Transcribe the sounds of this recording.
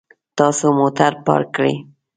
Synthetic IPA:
t̪ɑsomʊt̪aɾpa̰ɾkɾɪ̰

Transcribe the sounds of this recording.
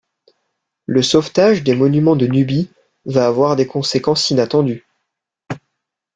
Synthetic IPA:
ləsɔft̪aʒd̪emɔnymɑ̃d̪ənybi | vaːvwaʁd̪ekɔ̃sekɑ̃sinat̪ɑ̃d̪y

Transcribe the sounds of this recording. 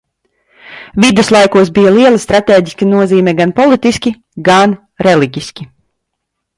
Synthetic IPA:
vid̪uslˠajkuɔsbijalˠiɛlˠast̪ɾat̪eːɟʲiskinuɔziːmɛɡanpɔlˠit̪iskʲi | ɡan | ɾɛliɟʲiskʲi

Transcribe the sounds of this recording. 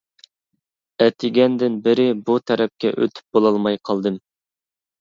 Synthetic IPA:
ɛt̪ʰɪɡʲɛnd̪ɪnbɪɾɪbut̪ʰɛɾɛp̚kʲɛ̰ʔø̰t̪ʰy̥p̚bolˠɑlˠmɑjqʰɑlˠd̪ɨm

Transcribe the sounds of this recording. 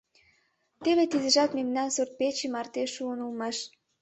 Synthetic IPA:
t̪eβet̪izə̆ʒɑt̪memnɑnsurt̪̚pet͡ɕimɑrt̪eʃuənulmɑʃ

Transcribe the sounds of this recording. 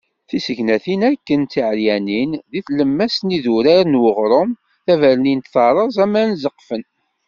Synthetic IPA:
θisəʝnæθinækːənt̪iʕljæninðiθləmːæsniðuɾæɾnwəʁɾˤom | θævæɾnint̪θɑɾˤəzˤæmænzəqːfən

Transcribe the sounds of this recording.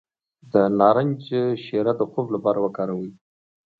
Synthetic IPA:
d̪ənɑɾanʲd͡ʒʃeɾad̪əxoblapɑɾawəkɑɾawəj

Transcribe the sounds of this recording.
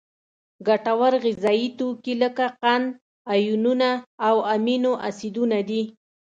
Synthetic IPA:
ɡaʈawaɾɣɪzɑit̪okiləkaqan | ajununaawaminoʔasid̪unad̪i

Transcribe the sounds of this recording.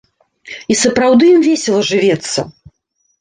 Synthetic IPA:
isɐpɾawd̪ɨjimvʲesʲɛlˠɐʐɨvʲɛt̪sːɐ̰

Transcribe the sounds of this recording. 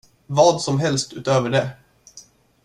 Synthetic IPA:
vɑːd̪sɔmɦɛlst̪ʉːt̪øːvəɖɛ

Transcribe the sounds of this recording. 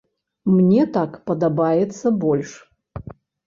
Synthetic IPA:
mnʲet̪akpɐd̪ɐbajɛt̪sɐbolʲʂ

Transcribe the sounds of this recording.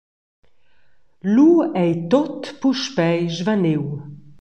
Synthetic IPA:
luɛjt̪ot̪puʃpɛjʒvanew

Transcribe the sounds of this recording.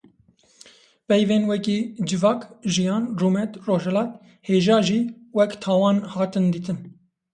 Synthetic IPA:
pɛjveːnwɛkiːd͡ʒɨvɑːkʒijɑːnruːmɛt̪roːʒɛlɑːt̪ | heːʒɑːʒiːwɛkt̪ʰɑːwɑːnhɑːt̪ɨnd̪iːt̪ʰɨn

